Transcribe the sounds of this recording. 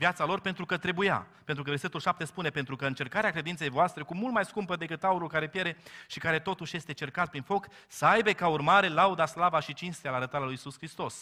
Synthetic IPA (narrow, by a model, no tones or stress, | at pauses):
vjat̪salo̞rpe̞nt̪ɾukət̪ɾe̞buja̰pe̞nt̪ɾukəverse̞t̪ulʃap̚t̪e̞spune̞pe̞nt̪ɾukəɨnt͡ʃe̞rkaɾeakɾe̞d̪inse̞jvoast̪ɾe̞kumult̪̚majskumpəd̪e̞kɨt̪auɾulkaɾe̞pje̞ɾe̞ʃikaɾe̞t̪o̞t̪uʃje̞st̪et͡ʃe̞rkat̪̚pɾinfo̞k | səajbe̞kaurmaɾe̞laud̪aslavaʃit͡ʃinst̪ealaɾət̪aɾalujisuskɾist̪o̞s